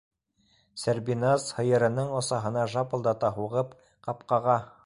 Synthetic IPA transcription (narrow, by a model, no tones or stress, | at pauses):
sæɾbinɑshɤ̆jɤ̆ɾɤ̆nɤɴŏsɑɦɤ̆nɑʒɑpɤ̆lˠd̪ɑt̪ɑɦuʁɤp | qɑpqɑʁɑ